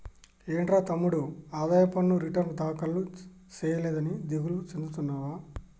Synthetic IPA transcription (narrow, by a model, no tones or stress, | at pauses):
eːɳʈɾaːt̪ɐmːuɽuaːd̪aːjɐpɐnːuɾiʈɐɾd̪aːkɐlːu | t͡ʃɛːjɐlɛːd̪ɐnid̪iɡulut͡ʃend̪ut̪unːaːʋaː